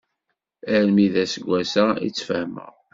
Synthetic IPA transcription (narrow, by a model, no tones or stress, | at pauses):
æɾmiðæsəɡʷːæsæḭt͡sːfəhmə̰ʁ